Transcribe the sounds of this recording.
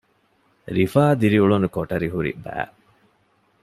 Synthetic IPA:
ɾifaːd̪iɾiuɭunukoʈɐɾiɦuɾḭbæ̰ː

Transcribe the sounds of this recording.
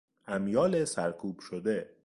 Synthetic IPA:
ʔæmjɒːlesæɾkʰuːb̥ʃod̪e

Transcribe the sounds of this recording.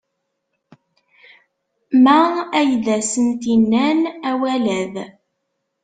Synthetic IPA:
mææjðæsənt̪inːænæwælæð

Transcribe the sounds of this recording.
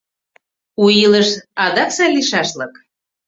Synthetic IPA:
uiləʃɑd̪ɑksɑliʃɑʃlɤk

